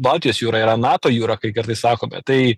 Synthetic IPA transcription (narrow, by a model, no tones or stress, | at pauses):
bɑːlˠʲt̪ʲɪjoːsjuːɾɑiːɾɐnɑːt̪oːjuːɾɐkɐɪkɐɾt̪ɐɪsɑːkoːmʲɛ̰t̪ɐɪ